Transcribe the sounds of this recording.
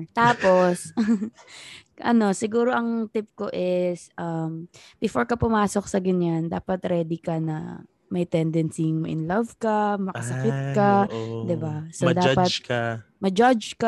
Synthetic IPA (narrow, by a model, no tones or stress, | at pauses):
t̪aːpo̞s | ʔɐ̰no̞sɪɡuːɾo̞ʔɐŋt̪ɪp̚koʔɪsʔɐmpɪfoɹkɐpʊmaːsok̚sɐɡɐɲand̪aːpɐt̪ɾɛːd̪ɪkɐnɐ̰ | mɐjt̪ɛnd̪ɛnsiŋmɐʔɪnlɐvkɐmɐkɐsɐkɪt̪̚kɐd̪ɪbasod̪aːpɐt̪̚kmɐd͡ʒad͡ʒka